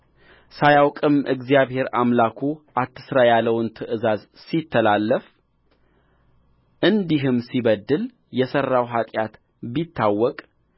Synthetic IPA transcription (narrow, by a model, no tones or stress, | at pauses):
sajawkʼɨmʔɨɡzijaβhe̞ɾamlakʰuʔat̪ʰːɨsɾajalːəwnt̪ʰɨʔɨzaz | sit̪ʰːəlalːəf | ʔɨnd̪iɦɨmsiβəd̪ːɨl | jɛsərːawɦat̪ʼjat̪ | bit̪ʰːawːɔkʼ